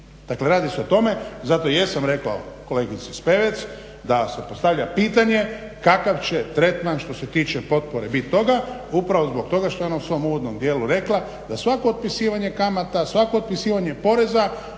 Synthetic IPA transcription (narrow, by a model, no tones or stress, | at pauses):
d̪̥akle̞ɾaːd̪iseot̪o̞me̞zat̪ojesamɾe̞kla̰o̰ko̞le̞ɡit̪ispe̞ʋet̪s | d̪asepo̞st̪aʋʎapiːt̪aɲe̞ | kakaʋt͡ɕe̞t̪ɾe̞t̪manʃt̪o̞se̞t̪iːt͡ʃe̞po̞t̪̚po̞ɾe̞bit̪ːo̞ɡaupɾaʋo̞zbo̞kt̪o̞ɡaʃt̪ojo̞nausʋo̞muʋod̪no̞md̪je̞ːluɾe̞klˠa | d̪asʋako̞ːd̪̚pisiːʋaɲe̞kamat̪asʋako̞ːt̪̚pisiːʋaɲe̞po̞ɾe̞za